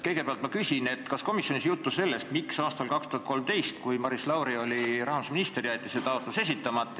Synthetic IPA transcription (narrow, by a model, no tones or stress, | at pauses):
kɤjɡe̞peɑlt̪mɑkysʲine̞t̪ːkɑsko̞misjo̞nisjut̪ːusse̞lːe̞st̪miksɑːst̪ɑlkɑkst̪uhɑt̪̚ko̞lmt̪e̞jst̪kujmɑɾislɑwɾio̞lʲiɾɑhmusminist̪erjæt̪ːˑiset̪ɑot̪ːˑluse̞s̬it̪ːˑɑmɑt̪ˑː